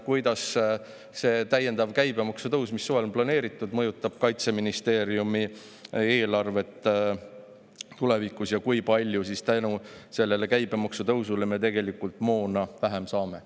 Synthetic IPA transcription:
kujd̪̥ɑs | se̞ːt̪æjːe̞nd̪ɑvkæjbe̞mɑksut̪ɤwsmisːuvelonplɑne̞ːɾit̪ːˑud̪̥mɤjut̪ːˑɑb̥̚kɑjt̪se̞minist̪e̞ːɾijumi | e̞ːlɑrve̞t̪ːˑ | t̪ule̞vikusjɑkujpɑlʲjusist̪ænuse̞lːe̞le̞kæjbe̞mɑksut̪ɤwsule̞met̪e̞ɡ̥e̞likːˑult̪ˑmo̞ːnɑvæɦemsɑːme̞

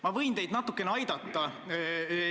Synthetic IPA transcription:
mɑvɤ̞jnt̪e̞jd̪nɑt̪ːˑukːeneɑjd̪ɑt̪ːɑ

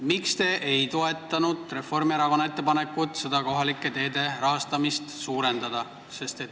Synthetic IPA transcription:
mikst̪e̞ʔejt̪o̞e̞t̪ˑːɑnud̪re̞fo̞rmieɾɑko̞nɑe̞t̪ˑːe̞pɑne̞kːˑut̪se̞d̪ɑko̞ɦɑlikːˑe̞t̪e̞ːd̪e̞ɾɑɦɑst̪ɑmist̪suːɾe̞nd̪̥ɑd̪̥ɑ | se̞st̪e̞t̪ː

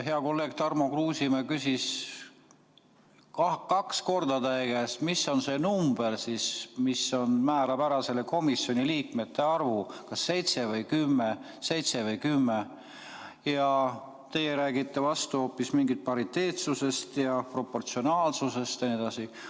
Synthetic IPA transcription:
ɦe̞ɑko̞lːe̞ːɡ̥̚t̪ɑrmokluːsimɑkysʲis | kɑkɑksko̞rd̪̥ɑd̪æjɡ̥æst̪misːo̞nse̞numb̥elsismisːo̞nmæːɾɑbæɾɑse̞le̞ko̞misjo̞niliːk̚me̞t̪ːe̞ɑrvukɑsːe̞jt̪sevɤjkymːe | se̞jt̪se̞vɯjkymːe | jɑ | t̪e̞jeɾæːɡit̪ːevɑst̪uhoːpːismiŋɡit̪̚pɑɾit̪ːe̞ːt̪suse̞st̪jɑpro̞pːo̞rt̪sio̞nɑːlsuse̞st̪jɑnied̪ɑsi

